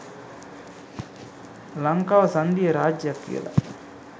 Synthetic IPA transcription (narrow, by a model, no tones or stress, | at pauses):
lɐŋkaːʋɐsɐnd̪ijɐɾaːd͡ʒjɐkːḭɐ̰lɐ̰